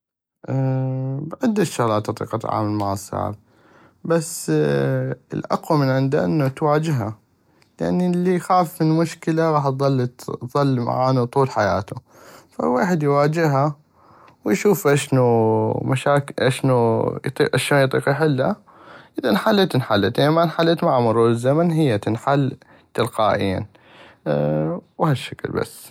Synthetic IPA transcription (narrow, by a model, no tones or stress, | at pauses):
ʔ | bʕɪd̪ːaʃʊɣlaːt̪ʔɑt̪ˤḭːqɑt̪ʕa̰ːmalmaʕsˤɑ̰ːʕ̰b | basː | ə̰lʔa̰qwamɪnʕɪnd̪aʔɪnːut̪waːd͡ʒɪɦa | ja̰ʕnilːijxaːfmɪlmʊʃkɪlaɣɑːħt̪ðˤɑlːt̪ðˤɑlːma̰ʕaːnut̪ˤuːlħaja̰ːt̪u | fa̰waːħɪd̪jwaːd͡ʒɪɦa | wjʃuːfʔaʃnumaʃaːkʔaʃnut̪ˤḭʔaʃoːnjt̪ˤiːqjħɪlːa̰ | ʔʔɪðanħalːt̪ɪnħalːat̪ʔɪamanħalːat̪maʕamʊɾuːɾɪzːamanɦɪjːat̪ɪnħalː | t̪ɪlqɑːʔḭːa̰n | whaʃːaklba̰sː